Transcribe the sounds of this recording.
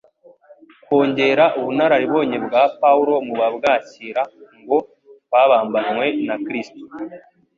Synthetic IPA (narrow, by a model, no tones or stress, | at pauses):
kwo̞ːɲɟe̞ːɾaʔuβunaɾaɾiβo̞ːɲebɡaːpauɾo̞muβabɡaːciːɾaŋɡo̞ | βaβaːmbanwe̞nakɾisto̥